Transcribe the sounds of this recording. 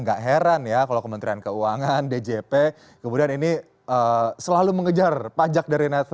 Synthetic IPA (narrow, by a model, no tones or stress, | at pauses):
ŋɡaʔɦeɾanjakalawkəmənt̪ɾiankəuaŋanded͡ʒepe | kəmudianini | əsəlaluməŋəd͡ʒarpad͡ʒak̚daɾinɛt̪